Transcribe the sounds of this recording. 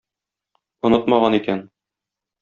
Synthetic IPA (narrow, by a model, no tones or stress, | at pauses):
ŏnɤt̪mɑʁɑnikæn